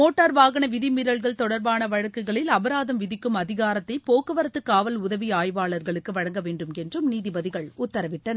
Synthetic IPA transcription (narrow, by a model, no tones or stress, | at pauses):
moːʈːɐɾʋaːɣɐnɐʋɪðɪmɪɾɐɭɣɐɭt̪ɔɽɐɾbaːnɐʋɐɻɐkːɯɣɐɭɪlɐʋɐɾaːðɐmʋɪðɪkːɯmɐðɪɣaːɾɐt̪ːɐɪpoːkɯʋɐɾɐt̪ːɯkːaːʋɐlʊðɐʋiaːjʋaːɭɐɾɣɐɭɯkːɯʋɐɻɐŋɡɐʋeːɳɖɯmɛndrɯmniːðɪbɐðɪɣɐɭʊt̪ːɐɾɐʋɪʈːɐnɐ